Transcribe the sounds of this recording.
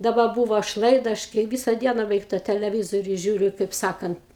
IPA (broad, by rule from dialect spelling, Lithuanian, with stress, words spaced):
dɐˈbɐ ˈbuːʋoː ɐʃ ˈlˠɐɪdɐ ˈɐʃ kɐɪ ˈʋʲɪsɐ ˈdʲiɛnɐ bʲɛˈʋʲɛɪk tɑː tʲɛlʲɛˈʋʲɪzoːrʲʊ ˈʒʲuːrʲʊ kɐɪp ˈsɑːkɐnt